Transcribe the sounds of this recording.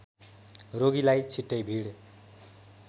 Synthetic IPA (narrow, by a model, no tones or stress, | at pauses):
roɡilajt͡sʰiʈːʌjbʱiɽ